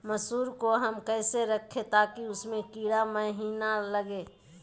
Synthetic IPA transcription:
mɐsuːɾkoɦɐmkɛːseɾɐkʰːet̪aːkiʊsmẽkiːɽaməɦiːnaləɡeː

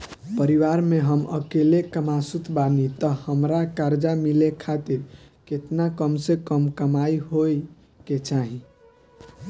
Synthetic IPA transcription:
pəɾiʋaɾmeɦəmə̰kelekəmasut̪ʰbanit̪əhəmɾakaɾd͡ʒamilekʰat̪iɾ | ket̪nakəmsekəmkəmaiɦoj | ket͡ʃaɦi

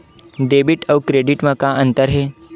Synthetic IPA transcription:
ɖeːbiʈəwkɾeɖiʈməkaʔə̃nt̪əɾɦe

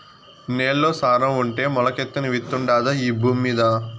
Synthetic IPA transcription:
neːɭːoːsaːɾɐmuɳʈe̞ːmɔlɐkɛt̪ːɐniʋit̪ːuɳɖaːd̪ɐiːbʱuːmːiːd̪ɐ

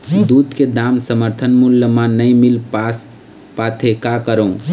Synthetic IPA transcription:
d̪ud̪ked̪amsəməɾt̪ʰənmuljəmanəjmilps | pat̪ʰekakəɾəũ

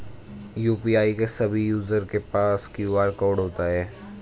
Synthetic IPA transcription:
juːpiaːikesɐbʱijuːzəɾkepaːskjuːaːɾkɔːɖɦoːt̪aɦɛː

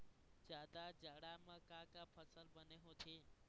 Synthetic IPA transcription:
d͡ʒaːd̪ad͡ʒaɽamãkãːkapʰəsəlbəneɦot̪ʰe

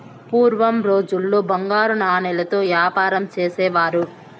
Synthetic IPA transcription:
puːɾʋɐmɾo̞ːd͡ʒulːoːbɐŋɡaːɾunaːnɛlɐt̪o̞ːʋjaːpaːɾɐmt͡ʃeːsɛːʋaːɾu

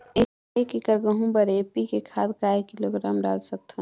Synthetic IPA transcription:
e | ekikəɾɡə̃ɦũbəɾepikekʰaːt̪kaekːiloɡɾaːmɖa̰ːlsək̚t̪ʰõ

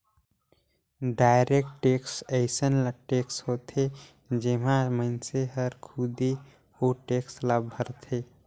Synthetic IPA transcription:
ɖaɪɾek̚ʈʈeksəɪsənlaʈeksɦot̪ʰe | d͡ʒemaməɪnseɦəɾkʰud̪e | oʈekslabbʱəɾt̪ʰe

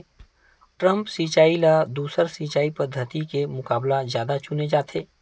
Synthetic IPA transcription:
ʈɾə̃mpsiːt͡ʃaːilad̪uːsəɾsiːt͡ʃaːipəd̪ʱːət̪ikemʊkaːblazjaːd̪at͡ʃʊned͡ʒaːt̪ʰeː

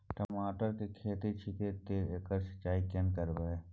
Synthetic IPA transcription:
ʈəmaːʈəɾkikʰeːt̪it͡ʃʰit̪et̪eekəɾsɐ̥t͡ʃːaːikenkəɾbəeː

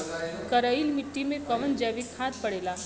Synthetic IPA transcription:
kəɾəilmɪʈːimẽkɐʋənd͡ʒɛːʋikʰhãːt̪̚pɐɽeːlaː

